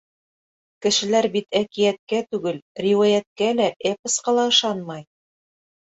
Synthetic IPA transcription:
kɘ̆ʃɘ̆læɾbit̪ækijæt̪̚kæt̪ʉɡɘlrʲiwajæt̪̚kælæʔepɤ̆sqɑlˠɑɤ̆ʃɑnmɑj

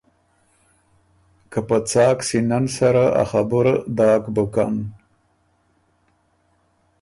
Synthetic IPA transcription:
kapət͡sɑːksinansaɾaa̰xabuɾd̪ɑːkbəka̰n

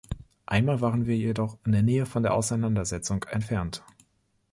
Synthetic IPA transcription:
ʔaɪnmaːlvaːʁənviːɐjedɔχɪndeːɐneːəfɔndeːɐʔaʊsaɪnandɐzɛt͡sʊŋkɛ̰ntfɛɐnt

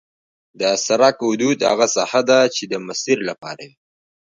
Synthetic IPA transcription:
d̪əsaɾakhʊd̪ud̪ha̰ɣasahad̪at͡ʃed̪əmasiɾlapɑ̰ɾawi

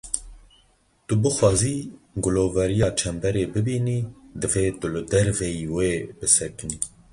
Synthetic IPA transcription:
t̪ubɨxwɑːziːɡʊloːvɛɾijɑːt͡ʃʰɛmbɛɾeːbɨbiːniːd̪ɨveːt̪ɨlɨd̪ɛɾvɛjiːweːbɨsɛkɨniː

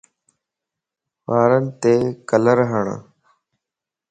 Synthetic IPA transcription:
ʋaːɾənt̪eːkələɾɦəɳ̰

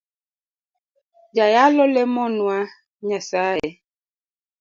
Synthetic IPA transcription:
d͡ʒajalɔlɛmɔnwa | ɲasaɛ

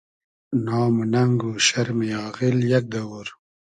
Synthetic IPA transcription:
nɑːmunɐŋɡuɕɐɾmejɑːɣiljɐk̚d̪ɐwuɾ

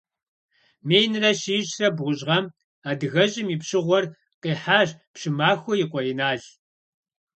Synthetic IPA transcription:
meːjnɨrɐɕiːɕrɐbʁʷʊʑʁɐm | aːdɨɣɐʑʼɪmipɕɨʁʷɔr | qiːħaːʑpɕɪmaːxʷʊjɪqʷɔinaːʑ

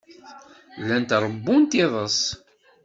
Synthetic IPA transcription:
lːænt̪ɾˤəbːunt̪iðˤəs

